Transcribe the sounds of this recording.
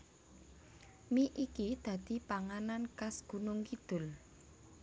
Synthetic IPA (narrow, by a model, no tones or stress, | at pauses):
miʔikid̪̥ä̤d̪̥i̤paŋanankasɡ̥ṳnʊŋkid̪̥ʊ̤l